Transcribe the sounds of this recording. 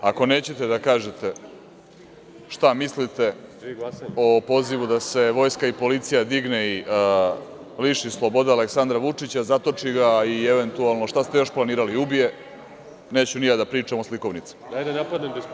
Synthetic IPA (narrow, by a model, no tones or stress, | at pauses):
ako̞ne̞ːt͡ɕet̪e̞d̪akaːʒet̪e̞ | ʃt̪amislit̪e̞ | o̞po̞ziʋud̪ase̞ʋo̞ːjskaipolit̪sijad̪iɡnei | liʃislˠobo̞d̪aaleksand̪ɾaʋut͡ʂit͡ɕazat̪o̞t͡ʂiɡaieʋe̞nt̪ualˠno̞ʃt̪ast̪e̞jo̞ʃplˠaniːɾaliubije̞ | ne̞ːt͡ɕunijad̪apɾiːt͡ʂamosliko̞ʋnit̪si̥ajd̪napad̪ned̪